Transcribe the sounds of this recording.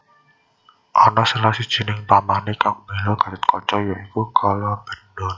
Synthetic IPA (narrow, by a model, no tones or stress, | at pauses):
ʔɔnɔsəlasid̥ʒ̥i̤nɪŋp̪amanekambelɔɡ̥a̤tət̪̚kʰɔt͡ʃɔjɔikukʰalɔb̥ə̤nd̪ɔn